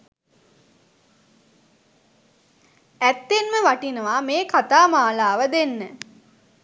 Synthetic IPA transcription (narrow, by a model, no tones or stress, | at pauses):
æt̪ːenməʋaʈinəʋameːkat̪aːmaːlaːʋəd̪enːə